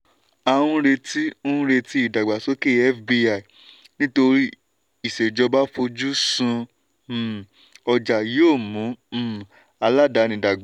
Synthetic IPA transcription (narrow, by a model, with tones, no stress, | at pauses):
a˨w̃ũ˧ɾe˧ti˦õ˦ɾe˧ti˦i˦˨da˨ɡ͡ba˨so˦ke˦ɛ˦fbi˧a˨i˨ | nĩ˦to˧ɾi˦ | i˨se˨d͡ʒɔ˧ba˦fo˧d͡ʒu˦sũ˧˨ | ɔ˧d͡ʒa˨jo˦˨mũ˨˦˨ | a˧la˦da˨˦nĩ˧˦da˨ɡ͡ba˨